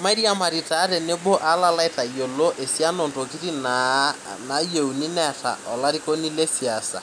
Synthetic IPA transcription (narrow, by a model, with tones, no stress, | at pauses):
ma˦i˦ɾi˦a˦˨ma˨ɾi˨ta˨˦ɾe˨ne˦bo˦ʔa˦la˦la˦i˦ta˨i˨jo˨lo˦ʔe˨si˦a˦no˨nto˨ki˦ɾi˦nana˨je˨u˨ni˦nɛ˦tʰa̰˨ɔ˨la˦ɾi˦ko˦ni˦le˦si˨a˨sa̰˨